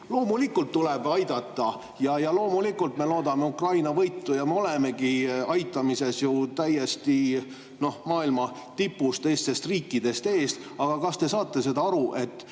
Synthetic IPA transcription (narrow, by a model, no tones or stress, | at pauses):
lo̞ːmulikːˑult̪ːuleb̥ɑjd̪ɑt̪ːˑɑ | jɑjɑlo̞ːmulikːˑult̪me̞lo̞ːd̪ɑme̞ukrɑjnɑvɤjt̪ːujɑmeo̞leme̞ɡiɑjt̪ːˑɑmise̞sjut̪æje̞st̪i | no̞hmɑːilmɑ | t̪ipːˑust̪ːe̞jst̪e̞st̪riːkːˑid̪̥e̞st̪e̞ːst̪ | ɑɡ̥ɑkɑst̪e̞sɑːt̪ːˑe̞se̞d̪ɑɑɾuʔe̞t̪ːˑ